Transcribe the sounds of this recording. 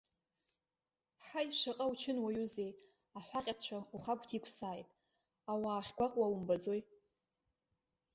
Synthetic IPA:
ħajʂaqʼawt͡ʃʰɪnwajuzej | aħʷaqʲʼat͡ʃʷʰauχakʷʼtʰikʷʰsaːjtʼ | awaːχʲɡʷaqʼwawumbad͡zo̞j

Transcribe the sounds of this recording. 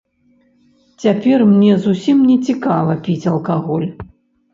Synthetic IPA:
t͡sʲapʲɛrmnʲɛzusʲimnʲɛt͡sʲikavɐpʲit͡sʲɐlˠkaɣɔlʲ

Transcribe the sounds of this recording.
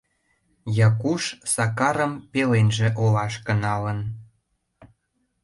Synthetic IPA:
jɑkuʃsɑkɑɾə̆mpelenʒĕʔolɑʃkə̆nɑlən

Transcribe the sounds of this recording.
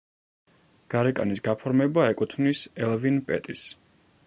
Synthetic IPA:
ɡ̥aɾɛkʼa̰nisɡapʰɔɾmɛbaɛkʼut̪ʰnisɛlvinpʼɛ̰t̪ʼis

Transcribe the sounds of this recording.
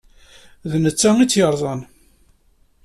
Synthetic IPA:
ðnət͡sːæŋit͡sːjəɾˤðˤɑn

